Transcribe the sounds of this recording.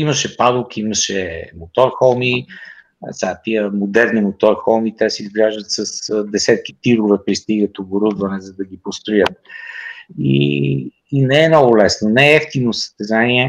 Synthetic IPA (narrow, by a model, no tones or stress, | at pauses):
iməʃɛpad̪ʊkʲiiməʃɛmot̪ɔɾxɔlˠmi | sat̪iəmod̪ɛɾnimot̪ɔɾxɔlˠmit̪ɛsɛizɡlʲaʒd̪ət̪sɐsd̪ɛsɛt̪̚ki̥t̪iɾʊvɛpɾist̪iɡət̪oboɾud̪vɐnɛzɐd̪ɐɡ̟ipost̪ɾʊjət̪̚ | ḭː | nɛɛmnɔɡʊlɛsnonɛɛɛft̪innosə̥st̪ɛzaniɛ